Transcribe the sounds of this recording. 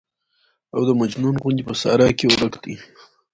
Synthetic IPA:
awd̪əmad͡ʒnunɣund̪ipəsɑ̰ɾɑkewɾəkd̪i

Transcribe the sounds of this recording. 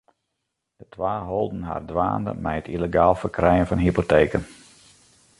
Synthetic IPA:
d̥ətʋaːɦolˠdən̩ɦa̰ːrdʋa̰ːndə̰mɛjətileɡaːlˠfərkrɛjənfɑnɦipoteːkən

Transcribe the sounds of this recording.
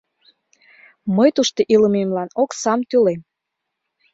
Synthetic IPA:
məjt̪uʃt̪eʔiləmemlɑnoksɑmt̪ylem

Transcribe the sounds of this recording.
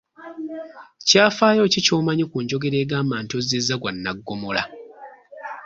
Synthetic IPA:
caːfaːjo̞ːcico̞ːmaɲikuːɲɟo̞ɡe̞ɾe̞ːɡaːmaːntozizːaɡwanːaɡːomola̰

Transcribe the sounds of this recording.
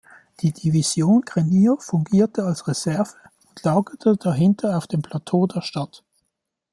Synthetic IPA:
d̥iːd̥iviz̥joːnɡ̥ʁeniːfʊŋɡiːɐtʰəalsʁezɛɐv̥ə | ʊntlaːɡətʰədaɦɪntʰɐaʊfd̥eːmpʰl̥atʰoːdeːɐʃtat

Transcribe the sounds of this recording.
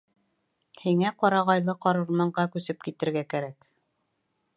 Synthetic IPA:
hiŋæqɑɾɑʁɑjlˠɤqɑɾŭɾmɑɴɢɑkʉsɘpkit̪ɘ̆ɾɡækæɾæk

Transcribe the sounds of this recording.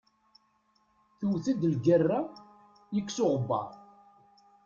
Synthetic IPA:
θuwθæd̪lɡərːa | jəkʷːsʊʁəbːɑ̰ɾˤ

